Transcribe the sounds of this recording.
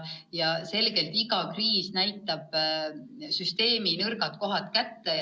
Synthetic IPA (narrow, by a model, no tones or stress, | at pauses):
jɑse̞lɡ̥e̞lt̪iɡɑkriːsnæjt̪ːˑɑb̥ | syst̪e̞ːminɤrɡɑt̪ko̞ɦɑt̪ˑkæt̪ːe